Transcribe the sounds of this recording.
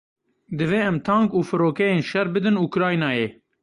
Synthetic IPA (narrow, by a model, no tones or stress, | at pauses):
d̪ɨveːɛmt̪ʰɑːŋkuːfɨɾoːkɛjeːnʃɛɾbɨd̪ɨnukɾɑːjnɑːjeː